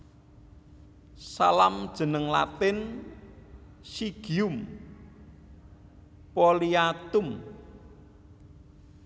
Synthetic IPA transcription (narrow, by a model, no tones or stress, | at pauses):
salamd̥ʒ̥ə̤nəŋla̰t̪ɪn | siɡ̥iʊm | poliat̪ʊm